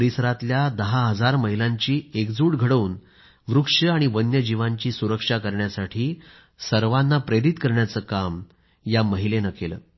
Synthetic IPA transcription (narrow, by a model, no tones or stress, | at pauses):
ɾisɾat̪ljad̪əɦaɦəd͡zaɾməɦilãɲt͡ɕiːekd͡zuːɽɡʱəɽəuːn | ʋɾukʂəaɽ̃iʋənjəd͡ʑiʋaɲt͡ɕiːsuɾəkʂakəɾɳjasaʈʰiː | səɾʋanːapɾeɾit̪kəɾɳjat͡səːkam | jaməɦilenəkelə̰ː